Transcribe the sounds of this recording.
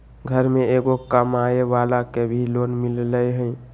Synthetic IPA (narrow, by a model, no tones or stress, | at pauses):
ɡʱəɾmeeɡokəmaeʋalakebʱilonmilləɦə̃ɪ